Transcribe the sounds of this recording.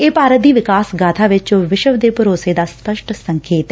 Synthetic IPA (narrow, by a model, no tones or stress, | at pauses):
eːpaːɾət̪̚d̪iːʋɪkaːsɡaːt̪ʰaːʋɪt͡ʃoʋɪʃəʋd̪eːpʊɾoːseːd̪aːspəʃʈsə̃ŋkʰeːt̪ː